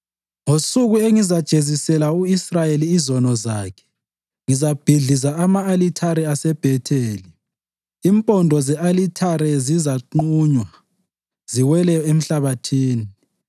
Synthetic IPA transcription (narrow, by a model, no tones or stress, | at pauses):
ŋosuɣueŋizad̥ʒ̥ʱezisɛlauisrajeliːzɔnɔzaːkʰɛ̥ | ŋizab̥ʱiɮizaamaːlitʰaɾɛasɛb̥ʱɛtʰeːli | impʼɔndʱɔzɛʔalitʰaɾɛzizaǃuːɲwa | z̥iwɛlɛjɔem̩ɬaβatʰiːni